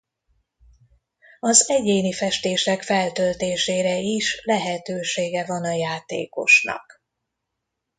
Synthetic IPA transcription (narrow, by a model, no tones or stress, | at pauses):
ɒzɛɟeːnifɛʃt̪eːʃɛkfɛlt̪ølt̪eːʃeːɾɛiʃlɛɦɛt̪øːʃeːɡɛvɒnɒjaːt̪ḛːko̞ʃnɒ̰k